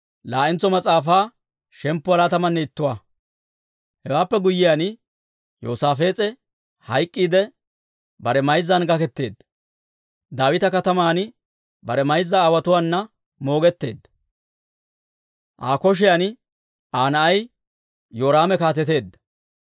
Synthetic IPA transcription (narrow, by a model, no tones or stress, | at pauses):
laːʔɪnt͡sːɔmɐt͡sʼaːfaː | ʃɛmpːʊɐlaːt̪ɐmɐnːɛɪt̪ːʊwa | hɛwaːpːɛɡʊjːɪjan | jo̰ːsaːfe̞ːt͡sʼɛ | hɐjkʼːiːd̪ɛ | bɐɾɛmɐjzːɐnɡɐkɛt̪ːe̞ːd̪ːɐ | d̪aːwɪt̪ɐkɐt̪ɐmaːn | bɐɾɛmɐjzːɐaːwɐt̪ʊwaːnːɐ | mo̞ːɡɛt̪ːe̞ːd̪ːɐ | ʔaːkɔʃ̬ɪjan | ʔaːnɐʔɐj | joːɾaːmɛkaːt̪ɛt̪e̞ːd̪ːɐ̥